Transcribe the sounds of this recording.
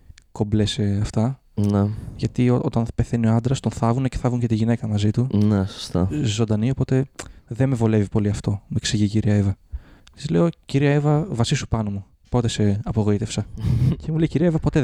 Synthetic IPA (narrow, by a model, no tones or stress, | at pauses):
ko̞mbleseɐft̪ɐ | neʝɐt̪ioʔo̞t̪ɐnpe̞θe̞nioɐnd̪ɾɐst̪o̞nθɐvunece̞θɐvuɲcet̪iʝine̞kɐmɐzit̪uneso̥st̪ɐzo̞nd̪ɐnio̞po̞t̪e̞ðe̞mevo̞le̞vipo̞liɐft̪o̞mueksiʝiciɾiɐevɐt̪izle̞o̞ciɾiɐevɐvɐsisupɐnomu | po̞t̪e̞se̞ɐpo̞ɣo̞it̪e̞fsɐcemule̞jciɾiɐevɐpo̞t̪e